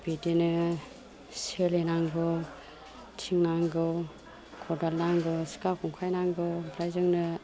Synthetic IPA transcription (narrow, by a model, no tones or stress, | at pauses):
bedinɯ | selenaŋɡɔ | tʰiŋnaŋɡɯw | kʰɔdalnaŋɡɯsi̥kakʰɔŋkʰajnaŋɡɯbɾajzɯŋnɯ